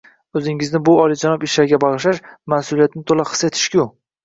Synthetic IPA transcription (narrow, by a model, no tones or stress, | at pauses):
ɵzɪŋɪznɪbʊɒlˠid͡ʒanɒpɪʃlaɾɡʲabɒʁɨʃaʃmasʊlijat̪nɪt̪ʰolaχɨ̥set̪ʰɪ̥ʃkʲʊ